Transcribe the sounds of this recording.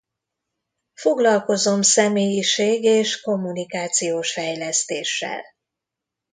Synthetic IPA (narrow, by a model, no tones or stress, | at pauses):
fo̞ɡlɒlko̞zo̞msɛmeːjiʃeːɡeːʃko̞mːunikaːt̪sijoːʃfɛjlɛst̪eːʃːɛ̰l